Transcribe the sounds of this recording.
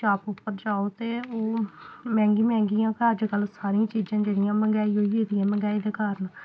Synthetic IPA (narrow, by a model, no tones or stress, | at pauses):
aːpʊpːəɾd͡ʒaːoːt̪eːoːmɛ̃ːŋɡiːmɛ̃ːŋɡijãːkəd͡ʒkəlsaːɾiãːt͡ʃiːd͡ʒãːd͡ʒeːɽɪjãːməɡaːiːɦoːiɦoːd̪ijɛ̃ːməɡaːiːd̪eːkaːɾən